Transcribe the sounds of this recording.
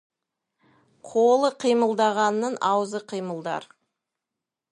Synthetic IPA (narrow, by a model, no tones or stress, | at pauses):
qʰolˠəqʰijməlˠd̪ɑʁɑnːəɴʔɑwəzəqʰijməlˠd̪ɑ̰ɾ